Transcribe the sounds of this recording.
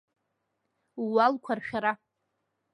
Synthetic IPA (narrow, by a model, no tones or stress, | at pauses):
walkʷʰarʃʲᶣaɾa